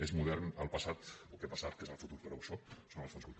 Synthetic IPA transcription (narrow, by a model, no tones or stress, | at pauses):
ezmuðɛrnəlˠpəsat̪ukepasat̪̚kezəlˠfut̪uɾpəɾowʃosonəlˠsfonskulˠt̪